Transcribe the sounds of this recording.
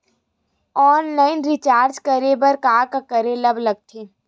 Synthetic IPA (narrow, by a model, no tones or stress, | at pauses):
ɔːnlaːɪnɾɪt͡ʃaːɾd͡ʒkəɾebɐɾkaːɾkakɐɾelɐblɐɡ̚t̪ʰeː